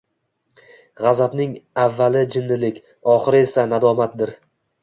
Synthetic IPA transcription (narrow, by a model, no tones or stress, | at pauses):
ʁazabnɪŋavːalɪd͡ʒɪnːɪlɪkʲ | ɒχɨɾɪe̞sanad̪ɒmat̪̚d̪ɪɾ